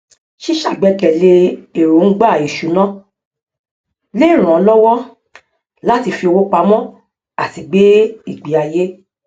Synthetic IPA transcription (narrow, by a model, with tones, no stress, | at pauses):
ʃi˦ʃa˦˨ɡ͡bɛ˨˧kɛ˨le˧e˨ɾo˨n̩˦ɡ͡ba˦˨i˨ʃu˨nɔ̃˦ | le˦˨ɾ̃ũ˨ɔ˧lɔ˦wɔ˦ | la˦ti˧fi˧o˧wo˦k͡pa˧mɔ̃˦ | a˨ti˨˧ɡ͡be˦i˦˨ɡ͡bi˨˦a˧je˦